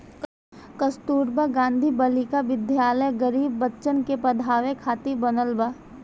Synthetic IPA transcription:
kəst̪uːɾbaɡãːnd̪ʱibɐlikaʋɪd̪ʱjaːləjɡəɾiːbːətːʃənkepɐd̪ʱaːʋekʰaːt̪ibɐnəlba

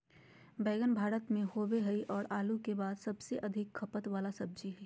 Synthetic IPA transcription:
bɛːɡənbʱaːɾət̪mẽhoːbeɦɐiʔɔːɾaːlukebaːd̪sɐbseʔɐd̪ʱɪkʰːɐpət̪ʋaːlasɐb̚d͡ʒiɦɛː

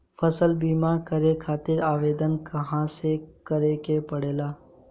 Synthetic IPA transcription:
fʰəsəlbiːmaːɾkəɾekʰaːt̪ɪɾaːʋeːd̪ənkɐɦãsekəɾekepɐɽeːlaː

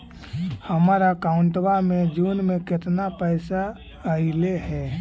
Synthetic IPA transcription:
həmaːɾakaːʊɳʈwamẽd͡ʒuːnmẽkɪt̪napɛːsa | əilehɛː

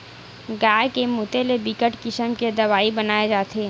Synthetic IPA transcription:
ɡaːekemuːt̪elebikəʈkɪʃəmked̪ɐʋaːibɐnaːed͡ʒaːt̪ʰeː

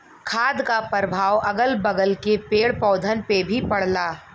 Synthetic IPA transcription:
kʰaːd̪kapəɾbʱaːwʔɐɡəlbɐɡəlkepeːɽpɔːd̪ʱənpebʱipɐɽ̤laː

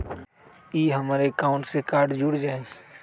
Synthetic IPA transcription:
iːɦəmaːɾekaːʊ̃ɳʈsekaːɾɖd͡ʒʊɽd͡ʒaːe

